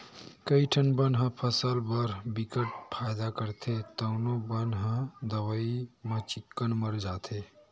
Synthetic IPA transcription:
kəiʈʰənbənɦə̃pʰəsəlbəɾbikəʈ̚pʰajd̪akəɾt̪ʰet̪əʊnobənɦə̃d̪əwəimə̃t͡ʃikːənməɾd͡ʒat̪ʰe

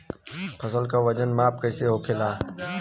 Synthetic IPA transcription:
pʰəsəlkaʋəd͡ʒənmaːp̚kəɪseːɦoːkʰelaː

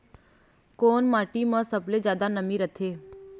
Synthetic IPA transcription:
koːnmaːʈimə̃səbled͡ʒjaːd̪anəmiɾət̪ʰeː

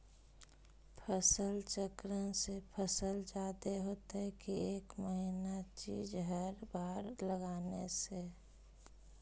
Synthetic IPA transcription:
pʰəsəlt͡ʃəkɾənsepʰəsəld͡ʒaːd̪eɦoːt̪eɛkieːkməɦinat͡ʃiːd͡ʒɦəɾbaːɾləɡaːnese

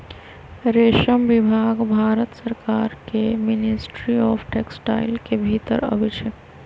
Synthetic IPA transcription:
ɾeʃəmbibʱaːɡbʱaːɾət̪səɾkaɾkemɪnisʈɾiɔːpʰʈeksʈa̰ɪlkebʱit̪ə̰ɾə̰bit͡ʃʰe

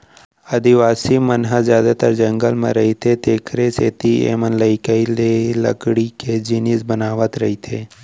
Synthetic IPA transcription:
ɐd̪iʋaːsimənɦəzjaːd̪at̪əɾd͡ʒɐ̃ŋɡəlmḛ̃ɾɐɦit̪ʰet̪eːkʰɾeseːt̪iḛːmənləɪkəilelɐ̰kɽiked͡ʒinisbənaːʋət̪ɾɐɦit̪ʰeː

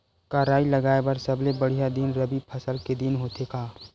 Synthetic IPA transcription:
kaːɾaːiləɡaːebɐɾsəblebəɽ̤ijad̪inɾəbipʰəsəlked̪inɦoːt̪ekaː

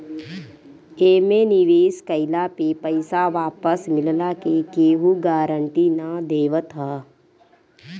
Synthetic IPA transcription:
eːmenɪʋeːskəɪlapepəɪsaʋaːpəsmɪllakekeːɦuɡaːɾəɳʈinad̪eːʋət̪ɦɛː

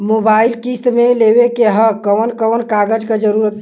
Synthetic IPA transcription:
mobailkist̪meleʋekeɦəkəʋənkəʋənkaɡəd͡ʒked͡ʒəɾuɾət̪

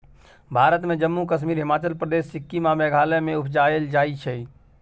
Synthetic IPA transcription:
bʱaːɾət̪mẽd͡ʒəmːukəʃmiːɾɦɪmaːt͡ʃəlpɾəd̪eːʃɪkːimamɛːɡʱaːlemẽʊpʰd͡ʒaːeld͡ʒaːit͡ʃʰɛi

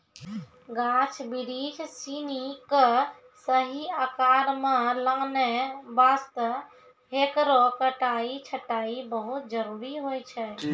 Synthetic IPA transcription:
ɡãt͡ʃʰbiɾid͡ʒsinikə | səɦiəkaɾmeləŋnɛbast̪ə | ɦekɾokəʈait͡ʃʰəʈaibəɦut̪̚d͡ʒəɾuɾiɦojt͡ʃʰɛ

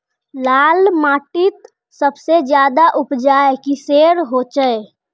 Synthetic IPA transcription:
laːlmaːʈɪt̪ | səbsed͡ʒjaːd̪aʔʊpd͡ʒaːekiseːɾɦoːt͡ʃəe

